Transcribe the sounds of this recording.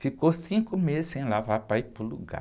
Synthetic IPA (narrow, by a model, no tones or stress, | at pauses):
fikosĩŋkʊmezɪsẽj̃lavapaipʊluɡa̰